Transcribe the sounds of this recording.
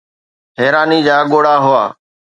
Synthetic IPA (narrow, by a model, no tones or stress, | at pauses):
ɦɛːɾaːniːd͡ʑaːɠoːɽaːɦʊaː